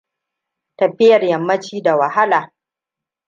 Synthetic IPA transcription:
tɐ˨ɸɪ˦jɐ˨rjɐ˨mːɐ˦t͡ʃiː˦da˨wɐ˨ha˦laː˨

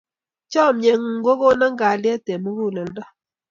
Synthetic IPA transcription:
t͡ʃɔ˦˨mɲɛ˨ŋ˨ŋ˦ɡo˦ko˦na˦ŋɡa˨ljɛ˦te˨mu˦ɣu˦˨lɔ˨ndɔ˦

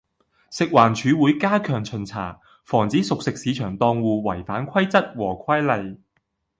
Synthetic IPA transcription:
sɪ˨k̚waː˨˩nt͡ʃʰyː˨˧wuː˨˥jkaː˥kʰœː˨˩ŋt͡sʰɵ˨˩nt͡sʰa̰ː˨˩ | fɔː˨˩ŋt͡siː˨˥sʊ˨k̚sɪ˨k̚siː˨˥t͡ʃʰœː˨˩ŋt̪ɔː˧ŋwuː˨˧wɐ˨˩jfaː˨˥nkʰɐ˥jt͡sɐ˥t̚wɔː˨˩kʰɐ˥jlɐ˨j

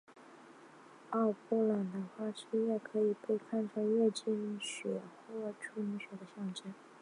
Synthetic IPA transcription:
ɑ˥˩ʊpɔ˥la˨˩nd̪ə˧˩xwa˥ʂɻ̩˥ɥɛ˥˩kʰɤ˧˥i˨˩pe˥˧ɪkʰa˥˩nʈ͡ʂʰɤ˥ɥɛ˥˧t͡ɕi˥˩y˧˥ɕɥɛ̰˨˩˦xwɔ˥˩ʈ͡ʂʰu˥˩ny˧˥ɕɥɛ˨˩d̪ə˦ɕjɑ˥˩ŋʈ͡ʂə˥˩n

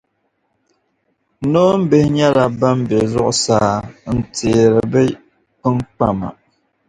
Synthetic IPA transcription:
no˦m̩˦be˨hɲa˦la˨ba˦m˦be˨zɔ˦ʔsaː˦n̩˨te˨ɾɨ˨bɛ˦ | pɨ˦ŋ˦k͡pa˦ma̰˨

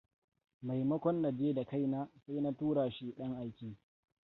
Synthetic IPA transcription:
ma˨jmɐ˦kʷɔ˦nːa˨d͡ʒeː˦da˨ka˦jnaː˦sa˦jna˦tuː˦ɽaː˨ʃi˦ɗɐ˦ŋʔa˦jkʲiː˦

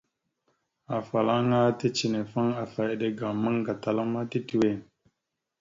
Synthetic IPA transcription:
a˨fa˨la˦ŋa˦ti˦t͡ʃi˨ne˨fa˦ŋa˨fa˨je˨ɗe˨ɡa˨mə˦ŋɡa˨ta˨la˦ma˦ti˦ti˨we˨

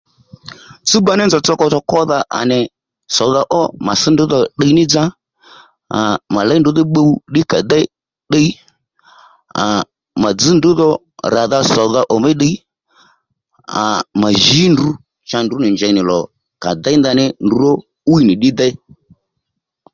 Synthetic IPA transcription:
t͡su˦ba˦nɛ˦nd͡zɔ˨t͡sɔ˧kɔ˧t͡sɔ˧kɔ˦ða˧ʔa̰˨nɛ˨ | sɔ˨ða˧ʔɔ˦ma˨sɪ˦ndʊ˨˦ðɔ˧ɗə˧i˦nɪ˦d͡za˦ | a˨ma˨la˨˦ndʊ˦ðɪ˦ɓə˧u˦ɗɪ˦ka˨d̪ɛ˦ | ɗə˧i˦ | a̰˨ | ma˨d͡zɨ˨˦ndʊ˨˦ðɔ˧ | ɾa˨ða˧sɔ˨ða˧ʔɔ˨mɛ˦ɗə˧i˦ | a̰˨ma˨ʒi˨˦ndu˨˦ | t͡ʃa˧ndʊ˨˦nɪ˨ɲd͡ʒɛ˨˧nɪ˨lɔ˨ | ka˨d̪a˦nda˧nɪ˦ndu˨˦ɾɔ˦ | u˦i˦nɪ˨ɗɪ˦d̪ɛ˦i˦

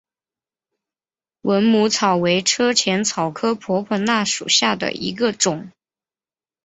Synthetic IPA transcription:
wə˧˥nmu˧˥t͡sʰɑ˨˩ʊwe˧˥ɪʈ͡ʂʰɤ˥t͡ɕʰjɛ˧˥nt͡sʰɑ˨˩ʊkʰɤ˥pʰwɔ˧˥pʰwɔ˧˥na˥˩ʂṵ˨˩ɕja˥˩d̪ə̰˩ḭ˧˥ɡə˧ʈ͡ʂʊ˨˩˦ŋ

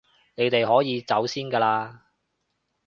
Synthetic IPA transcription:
ne˨˧jt̪e˨jɦɔː˨˥jiː˨˧t͡sɐ˨˥wsiː˥nkɐː˧laː˧

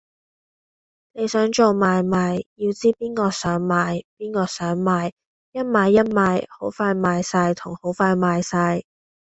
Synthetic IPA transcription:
ne˨˧jsœː˨˥ŋt͡ʃo˨wmaː˨˧jmaː˨˧jjiː˧wt͡siː˥piː˥nkɔː˧sœː˨˥ŋmaː˨˧jpiː˥nɔː˧sœː˨˥ŋmaː˨˧j | jɐ˥t̚maː˨˧jːɐ˥t̚maː˨˧jho˨˥wfaː˧jmaː˨˧jsɐ˧jt̪ʰʊ˨˩ŋho˨˥wfaː˧jmaː˨˧jsɐ˧j

